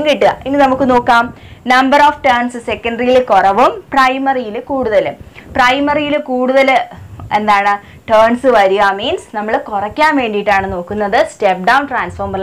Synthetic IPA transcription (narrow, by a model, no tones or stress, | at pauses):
ŋɡiʈːɨɣɐinːinɐmukːɨno̞ːkːaːm | nɐmbɐroːfʈɐːrɳsɨse̞kːɐɳɖɐrijilkorɐʋumprɐjmɐrijilkuːɽuðɐlɨprɐjmɐrijilɨkuːɽuðɐle̞nd̪aːɳɨ | ʈɐːɳsɨʋɐɾuɣaːmiːnsnɐmːɐɭkurɐkʲːaːmʋe̞ːɳɖijiʈːaːɳɨno̞ːkːunːɐðɨstep̚ɖɐwnʈraːnsformɐr